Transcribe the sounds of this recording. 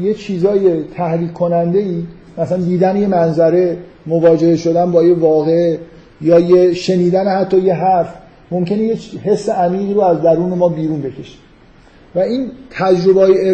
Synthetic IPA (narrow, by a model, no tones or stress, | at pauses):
jet͡ʃʰiːzɒːje̞t̪ʰæhɾiːkʰːo̞nænd̪e̞iː | mæsænd̪iːd̪ænje̞mænzæɾe̞ | movɒːd͡ʒe̞heʃo̞d̪ænbɒːjevɒːɣee | jɒːjeʃe̞niːd̪ænehæt̪ʰːɒːje̞ɦæɾf | momcʰe̞nejet͡ʃɦe̞sːe̞æmiːɣiːɾoæzd̪æɾuːne̞mɒːbiːɾuːnbe̞cʰe̞ʃe̥ | væiːnt̪ʰæd͡ʒɾo̞beːje